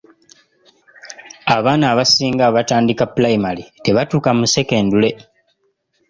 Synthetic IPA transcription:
aβaːnaːβasiːŋɡaβataːndikapulaimalite̞βatuːkamuse̞ke̞ːndule̞

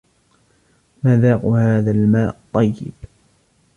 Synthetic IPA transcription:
maðaːqʊhaːðalmaːʔt̪ˤːɑjːɪ̰b̥

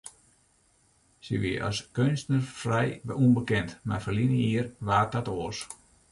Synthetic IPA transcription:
siʋiəʔɔ̰skønstnərfrɛjbunbəkɛntmarfərlinəiərʋaːt̚ɔtoːs

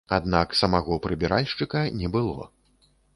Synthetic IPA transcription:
a̰d̪naksɐmaɣɔpɾɨbʲɛɾʔalʲʂt͡ʂɨkɐnʲɛbɨlˠɔ̰

